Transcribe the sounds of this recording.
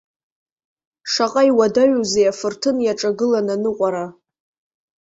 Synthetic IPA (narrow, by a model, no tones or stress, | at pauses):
ʂaqʼaiwadaɥuzejafɨrtʰɨnjaʈ͡ʂʼaɡɨlananɨqʷʼaɾa